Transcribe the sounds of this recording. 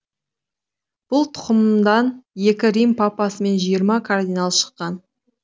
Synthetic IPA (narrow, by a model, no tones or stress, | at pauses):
b̥ʊlˠt̪ʰʊ̥qəmd̪ɑnje̞kʲɪɾijmpʰɑpɑsəme̞nʒijəɾmɑkʰard̪ʲinalˠʃə̥qːɑn